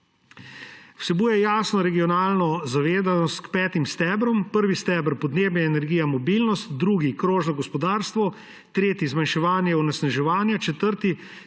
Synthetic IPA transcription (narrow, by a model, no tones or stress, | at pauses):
w̥sɛbuːjɛjaːsnɔɾɛɡiɔnaːlnɔzaʋeːzanɔst̪kpɛːt̪imst̪ɛːbɾɔmpəɾʋist̪ɛbəɾpɔd̪neːbjɛɛnɛɾɡiːjamɔbilnɔst̪d̪ɾuːɡikɾoːʒnɔɡɔspɔd̪aːɾst̪ʋɔ | t̪ɾeːt̪izmanʃɛʋaːnjɛunɛsnɛʒɛʋaːnjat͡ʃɛt̪əɾt̪i